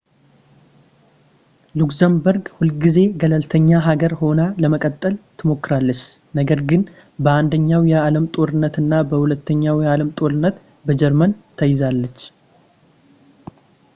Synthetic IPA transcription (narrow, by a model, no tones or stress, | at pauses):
lukzəmbəɾɡhulɡize̞ɡələlt̪ʰəɲːaɦaɡəɾho̞naləməkʼət̪ʼːəlt̪ʰɨmo̞kːɨɾalːət͡ʃː | nəɡəɾɡɨn | bəand̪əɲːawjɛaləmt̪ʼo̞ɾɨnːət̪ɨnːabəhulət̪ːəɲːawjɛaləmt̪ʼo̞ɾɨnːət̪ | bəd͡ʒɛɾmənt̪ʰəjɪzalːət͡ʃː